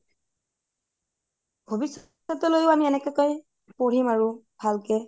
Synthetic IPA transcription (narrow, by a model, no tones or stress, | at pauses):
bʱobis | ɔtɔlojʊamiɛnɛkɛkoj | poɹimaɹʊbʱalkɛ